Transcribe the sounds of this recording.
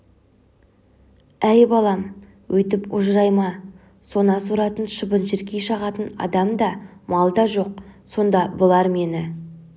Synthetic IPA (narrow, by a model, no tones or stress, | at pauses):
æjbɑlˠɑm | wʔɵt̪ɪpʊʒɾɑjmɑ | so̞nɑsuɾɑt̪ənʃəbənʒɪɾkʲejʃɑʁɑt̪ənɑ̰d̪ɑmd̪ɑmɑlˠd̪ɑʒo̞q̚so̞nd̪ɑbʊlˠɑɾme̞nɪ